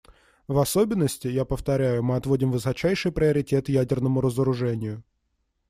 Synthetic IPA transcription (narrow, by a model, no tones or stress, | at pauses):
vɐso̞bʲɪnːəsʲtʲɪjapəft̪ɐɾʲæjʊmɨɐt̪vo̞dʲɪmvɨsɐt͡ɕæjʂɨjpɾʲɪəɾʲɪtʲe̞t̪ɨjædʲɪrnəmʊɾəzəɾʊʐɛnʲɪjʊ